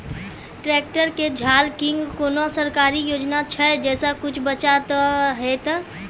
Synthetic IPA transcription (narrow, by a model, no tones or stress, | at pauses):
ʈɾɛːk̚ʈəɾked͡ʒʱaːlkɪ̃ŋɡkoːnosəɾkaːɾijoːd͡ʒnat͡ʃʰɛd͡ʒɛːsakʊt͡ʃʰbət͡ʃat̪ɦɛt̪